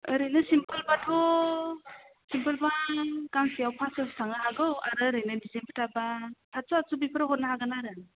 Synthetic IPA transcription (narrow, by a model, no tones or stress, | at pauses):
əɾɯjnɯsimpəlbatʰɔ | simpɯlbakaŋsijawpʰasastʰaŋahaɡɯwaɾɯɾɯjnɯdisenpʰə̥tʰabatʰasɔasubipʰəɾahɔt̚nahaɡanaɾɯ